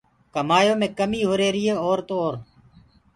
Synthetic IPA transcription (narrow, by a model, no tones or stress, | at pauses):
kəmaːjoːmẽːkəmiːɦoːɾeːɾɪeːoːɾt̪oːoːɾ